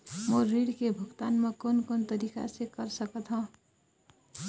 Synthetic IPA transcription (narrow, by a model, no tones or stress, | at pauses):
moɾiɽkebʱuɡt̪anmʌkonkont̪ʌɾika̰sekʌɾsʌkʌt̪ʰõ